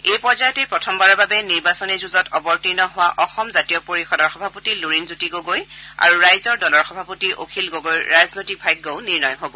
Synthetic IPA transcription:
ejpɔɹzajɔtɛpɹɔtʰɔmbaɹɔbabɛniɹbasɔnɛzuzɔtɔbɔɹtinɔɦʊwaʔɔxɔmzatijɔpoɹixɔdɔɹxɔbʱapotiluɹinzutiɡoɡoja̰ɹuɹajzɔɹdɔlɔɹxɔbʱapotiʔo̰kʰilɡoɡojɹaznojtik̚bʱajɡ̚ɡoʊniɹnɔjɦobɔ

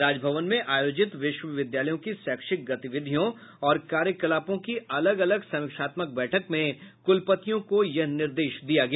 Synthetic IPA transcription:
ɾaːd͡ʒbʱəʋənmẽʔaːjoːd͡ʒɪt̪ʋɪʃwəʋɪd̪jaːləjõkisɛːkʃɪk̚ɡɐt̪ɪʋɪd̪ʱijõ | ɔːɾkaːɾjəkɐlaːpõkiɐləɡɐləɡsɐmɪkʃaːt̪mək̚bɛːʈʰəkmẽkʊlpət̪ijõkojɐɦnɪɾd̪eːʃd̪ijaɡɐɛa

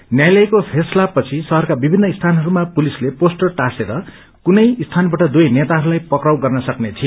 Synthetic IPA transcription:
njajlʌjkopʰeslapʌt͡sʰisʌɦʌrkabibʱinːʌist̪ʰanɦʌɾumapulisleposʈʌrʈaseɾʌ | kunʌjist̪ʰanbaʈʌd̪ujnet̪aɦʌɾulajpʌkrawɡʌrnʌsʌknet͡sʰi

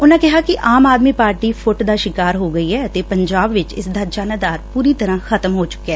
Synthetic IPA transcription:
ʊnãːkɪɦaːkɪʔaːmaːd̪miːpaːɾʈiːpʰʊʈd̪aːʃɪkaːɾɦoːɡəiːɦɛːət̪eːpəɲd͡ʒaːbʋɪt͡ʃɪ̰sd̪aːd͡ʒaːnəd̪aːɾpuːɾiːt̪əɾãːxʰət̪əmɦoːt͡ʃʊ̥kːɛː

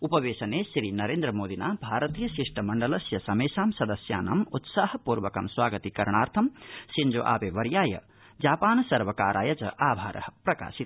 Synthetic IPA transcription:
upɐʋeːsɐnesɾinɐɾeːnd̪ɾɐmoːd̪inaːbʱaːɾɐt̪iːjɐsiʂʈɐmɐɳɖɐlɐsjɐsɐmeːsaːmsɐd̪ɐsja̰ːnɐ̰mut̪saːɦɐpuːɾʋɐkɐ̰mswaːɡɐt̪ikɐɾɳ̃aːɾt̪ʰɐmsind͡ʒo̰ːʔa̰ːpeʋɐɾjaːjɐ̰ | d͡ʒaːpaːnsɐɾʋɐkaːɾʔa̰ːjɐt͡ʃɐ̰ʔaːbʱa̰ːɾʔɐ̰ɦpɾɐka̰ːsit̪

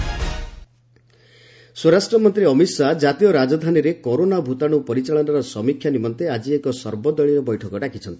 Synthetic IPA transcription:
swɔɾasʈɾɔmɔnt̪ɾiɔmiswad͡ʒat̪ijɔɾad͡ʒɔd̪ʱaniɾekoɾonabʱut̪aɽ̃upɔɾit͡ʃaɭɔnɔɾɔsɔmikʰjanimɔnt̪ead͡ʒiekɔsɔɾbɔd̪ɔɭiɾɔbɔjʈʰɔkɔɖakʰit͡ʃʰɔnt̪i̥

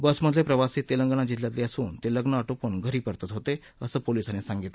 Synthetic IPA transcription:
bəsməd̪ʱlepɾəʋasiːt̪eləŋɡəɳ̃ad͡ʑit̪ljat̪leəsuːnt̪eləɡnəəʈoponɡʱəɾiːpəɾt̪at̪ɦot̪e | əsəːpolisanesãŋɡit̪

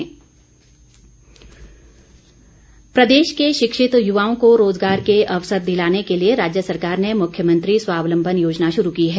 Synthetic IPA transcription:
pɾɐd̪eːʃkeʃɪkʃɪt̪jʊʋaːõkoɾoːzɡaːɾkeʔɐʋsəɾd̪ɪlaːnekelieɾaːd͡ʒjəsɐɾkaːɾnemʊkʰjəmə̃nt̪ɾisʋaːʋlə̃mbʱənjoːd͡ʒnaʃʊɾukiɦɛː

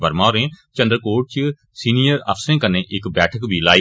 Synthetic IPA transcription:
bəɾmãːɾẽːt͡ʃə̃nd̪ɾkoːʈ̚t͡ʃ | siːnijəɾə̰pʰsẽːkəɾneːʔɪkbɛːʈʰəkbʱiːlaːi

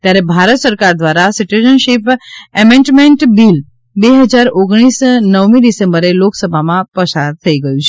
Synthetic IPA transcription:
t̪jaɾebʱaɾət̪səɾkaɾd̪ʋaɾasiʈud͡ʒənʃipɛmẽɳʈmeɳʈbil | beɦəd͡ʒaɾoɡɽ̃isnəʋmiɖisẽmbəɾeloksəbʱamãpəsaɾt̪ʰəiɡəjũt͡ʃʰe̥

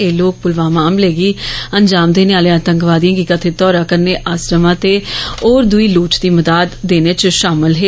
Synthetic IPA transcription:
eːloːk̚pʊlʋãːmaːmleːɡiːənd͡ʒaːmd̪eːneaːleãːt̪əŋɡʋaːd̪ijãːɡiːkət̪ʰeːt̪ɔːɾaːkəɾneːʔaːsɾəmãːt̪eːoːɾd̪ʊiːluːt͡ʃd̪iːməd̪aːd̪ːeːneːt͡ʃʃaːmɪlɦeː

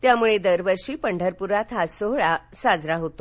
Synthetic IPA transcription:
t̪jamuɭed̪əɾʋəɾʂiːpəɳɖʱəɾpuɾat̪ʰasoɦɭasad͡zɾaɦot̪o

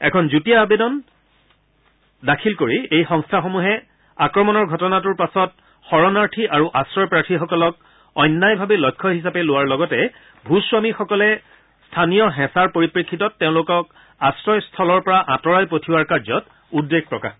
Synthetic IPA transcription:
ɛ̰kʰɔnzutijaːbedɔn | dakʰilkoɹiejxɔ̃ŋstʰaxomuɦɛ | akɹɔmɔnɔɹɡʱɔtɔnatuɹpasɔt̚ | xɔɹɔnaɹtʰiʔaɹuʔasɹɔjpɹatʰixɔkɔlɔk̚ | ɔjnːajbʱabɛlɔjkʰːɔɦisapɛlʊwaɹlɔɡɔtɛ | bʱuswamixɔkɔlɛ | stʰanijɔɦɛ̃saɹpoɹipɹikʰːitɔtːeʊ̃lʊkɔk̚ | asɹɔjstʰɔlɔɹpɔɹaʔãtɔɹajpotʰiwaɹkaɹzɔt | udːeɡ̚pɹɔka̰x

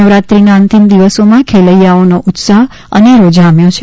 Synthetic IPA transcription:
əʋɾat̪ɾinaənt̪imd̪iʋəsomãkʰeləjːaonoʔut̪saɦ | əneɾod͡ʒamjõt͡ʃʰe

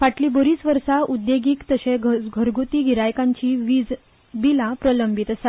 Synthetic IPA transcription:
faʈliːbəɾiːt͡sʋəɾsaʔud̪jeɡiːkt̪əɕeɡʱəɾɡut̪iːɡʱiɾajkãɲt͡ɕiːʋd͡z | bilãpɾələmbʱit̪əsa

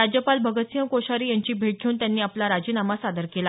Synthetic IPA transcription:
ad͡ʑjəpalbʱəɡət̪sijə̃koɕaɾiːjaɲt͡ɕiːbʱeʈ̚ɡʱeuːnt̪janːiːaplaɾad͡ʑiːnamasad̪əɾkela

